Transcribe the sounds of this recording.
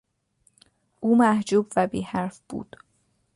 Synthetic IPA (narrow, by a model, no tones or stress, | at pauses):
ʔuːmæhd͡ʒuːbvæbiːhæɾfb̥ṵːd̪̥